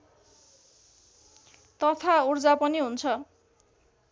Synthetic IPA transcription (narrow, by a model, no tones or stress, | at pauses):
t̪ʌt̪ʰaurd͡zapʌniɦunt͡sʰʌ